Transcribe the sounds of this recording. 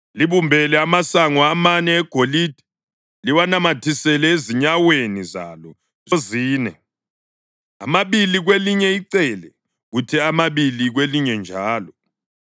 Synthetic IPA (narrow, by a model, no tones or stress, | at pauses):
liβumbʱɛlɛamasaŋɔamanɛːɡ̥ʱoliːd̥ʱɛ̥ | liwanamatʰisɛlɛeziɲaweniza̰lɔ | zoziːnɛ | a̰maβiliɣweliɲɛiǀɛlɛ | ɣutʰɛamaβiliɣweliɲɛnd͡ʒʱaːlɔ